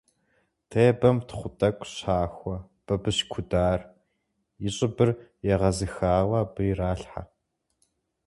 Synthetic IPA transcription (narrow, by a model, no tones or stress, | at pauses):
tʰeːbɐmtʰχʷʊtʼɐkʷʼɕaːxʷɔ | b̥ɐbɨɕkʷʰʊdaːr | jɪɕʼɪbɨrjɛʁɐzɨxaːwɐbɨjraːɬħa̰